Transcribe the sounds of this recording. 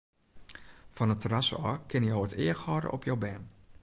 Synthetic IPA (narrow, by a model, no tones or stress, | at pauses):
fɔnətərasɔ̰kʰɪnjəowətɪəxhɔɾə̰ʔɔpʰjowbɛːn